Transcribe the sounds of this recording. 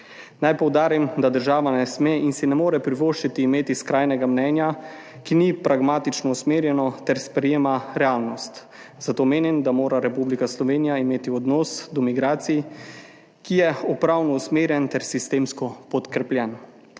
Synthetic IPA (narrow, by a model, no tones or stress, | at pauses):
najpɔwd̪aːɾimd̪ad̪əɾʒaːʋanɛsmeːʔinsinɛmoːɾɛpɾiʋoːʃt͡ʃit̪iːmeːt̪iskɾajnɛɡamnɛːnja | kinipɾaɡmaːt̪it͡ʃnɔusmeːɾjɛnɔt̪ɛɾspɾɛjeːmaɾɛaːlnɔst̪ | zat̪oːmeːnimd̪amoːɾaɾɛpublikaslɔʋeːnijaimeːt̪iɔd̪nɔːsd̪ɔmiɡɾaːt̪sij | kijɛɔpɾawnɔusmeːɾjɛnt̪ɛɾsist̪eːmskɔpɔt̪kɾɛpljɛn